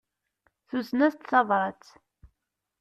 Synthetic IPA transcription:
θusnæst̪θɑðɾˤɑt͡s

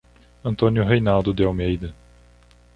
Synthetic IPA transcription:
ɐ̃nt̪õnjʊɦejnawd̪ʊd̪eawmejd̪ɐ

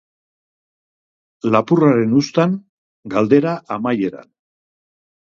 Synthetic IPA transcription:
lapuraɾe̞nust̪aŋ | ɡald̪e̞ɾaʔamaje̞ɾa̰n

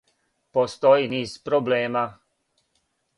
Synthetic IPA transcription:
post̪ojiniːz̥pɾobleːma

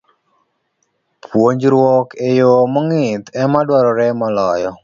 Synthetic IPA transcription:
pʰwoɲd͡ʒɾwɔkejomɔŋɪt̪ɛmadwaɾɔɾɛmɔlɔjɔ

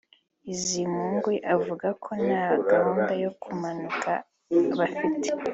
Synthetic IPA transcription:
izimuŋɡweʔavuɡakʰo̞naɡahuːndajo̞kʰumanukʰa | βafite

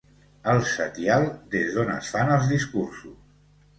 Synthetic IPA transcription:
əlˠsət̪jalˠd̪ezðonə̰sfanəlˠzðiskursus

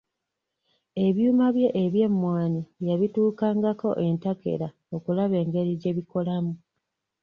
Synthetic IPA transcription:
e̞βjuːmaβje̞ʔːβje̞mːwaːniβjaβituːkaːŋɡako̞ʔe̞ntake̞̰ɾa | o̞kulaβe̞ːŋɡe̞ɾiɟe̞βiko̞lamu

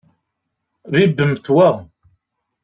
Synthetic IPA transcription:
ðibːəmθwæ

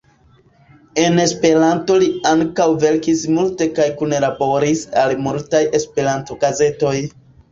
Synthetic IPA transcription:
e̞ne̞spe̞ɾanto̞liaŋkawve̞lkismulte̞kajkunlabo̞ɾisalmultaje̞spe̞ɾanto̞ɡaze̞to̞j

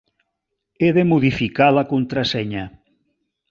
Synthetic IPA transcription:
eðemoðifikalakont̪ɾasɛɲa

